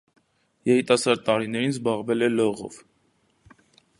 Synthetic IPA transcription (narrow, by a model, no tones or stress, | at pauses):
jɛɾit̪ɑsɑɾd̪̚t̪ɑɾinɛɾinzbɑʁvɛlɛlɔʁɔ̰v